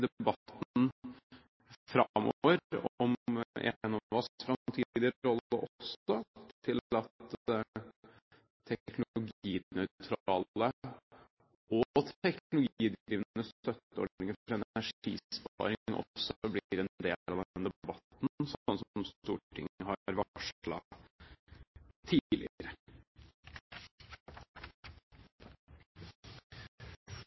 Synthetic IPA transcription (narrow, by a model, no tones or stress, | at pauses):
d̪ɛbɑt̪n̩ | fɾɑmɔ̰ʋəɾɔɔmḛnɔʋɑsfɾɑt̪ʰiːd̪ɪd̪əɾɔləʔɔsɔt̪ʰɪlɑt̪ | t̪ʰɛknʊlʊɡiːnœʏt̪ʰɾɑːlə | ʔɔt̪ɛknʊlʊɡiːd̪ɾiːʋənəst̪œt̪ːəɔ̰ɖnɪŋəɾɛnɛæʂḭːbɑ̰ːɾɪʔɔ̰sɔblɪɾɛnd̪ḛːlɑʋd̪nd̪ɛbɑt̪nsɔnsɔmst̪uːʈʰɪ̰ŋəɦɑɾʋɑʂlɑ̰ | t̪ʰiːlɪ̰ɾə